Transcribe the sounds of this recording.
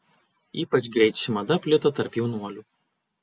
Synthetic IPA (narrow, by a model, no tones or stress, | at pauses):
iːpɐt͡ʃɡɾʲɛɪt̪ʃʲɪmɐd̪ɐpʲlʲɪt̪ot̪ɐɾpjɛʊnuɔlʲuː